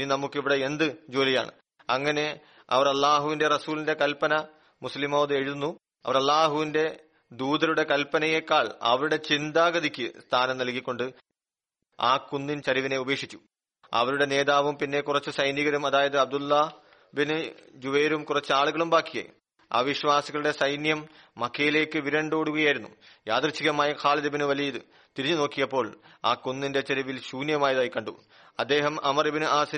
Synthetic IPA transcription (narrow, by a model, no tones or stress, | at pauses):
ninɐmukːiʋiɽeend̪ɨd͡ʑoːlija̰ːɳɨ̰ | ɐŋːɐne̞ | ɐ̰ʋɐrɐlːaːɦuʋinde̞rɐsuːlinde̞kɐlpɐnɐ | muslimoːʋɐðɨe̞ɻuðunːu | ɐ̰ʋɐrɐlːaːɦuʋinde̞ | d̪uːd̪ɐɾuɽe̞kɐlpːɐnɐjekːaːɭɐ̰ʋɐɾuɽe̞t͡ɕind̪aːɡɐðikʲːɨst̪ʰaːnɐmnɐlkːikʲːo̞ɳɖɨ | aːkunːint͡ɕɐɾiʋine̞ube̞ːkʂit͡ɕːu̥ | ɐ̰ʋɐɾuɽe̞ne̞ːðaːʋumpinːe̞kurɐt͡ɕːɨsɐjniɣɐɾumɐðaːjɐðɨɐb̚d̪ulːɐ | binɨd͡ʑuʋeːɾumkurɐt͡ɕːɨaːɭuɣɐɭumbaːkːijɐ̰ | a̰ːʋiɕʋaːsiɣɐɭuɽe̞sɐjnjɐmː | ɐkʰːɐjile̞ːkːɨʋiɾɐɳɖoːɽuɣɐjaːjiɾunːujaːd̪rɐɕːiɣɐmaːjɐkʰaːlɐðibinɨʋɐlijjiðɨ | t̪iɾiɲːɨno̞ːkːijɐpːo̞ːɭaːkunːinde̞t͡ɕɐɾiʋilɕuːnjɐmaːjɐðaːjikɐɳɖṵ | ɐd̪ːe̞ːɦɐmɐmɐribɐnɨʔaːsi